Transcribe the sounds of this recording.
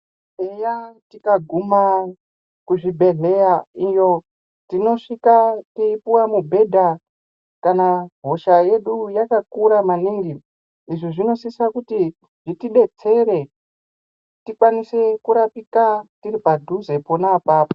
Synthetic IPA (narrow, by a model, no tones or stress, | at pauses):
ejatikaɡʱuma | kuʐibʱe̞ɮe̞jaijo̞ | tino̞ʂikateipuwamubʱe̞dʱa | kanaɦo̞ʃaje̞ɗujakakuɾamaniŋɡi | iʐiʐino̞sisakuti | ʐitiɗe̞t͡se̞ɾe̞ | tikwanise̞kuɾapikatiɾipadʱuze̞ponapaːpo